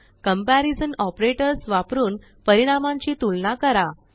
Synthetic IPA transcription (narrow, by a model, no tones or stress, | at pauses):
kəmpæɾid͡zənɔpɾeʈəɾsʋapɾuːn | pəɾiɽ̃amãɲt͡ɕiːt̪ulnakəɾa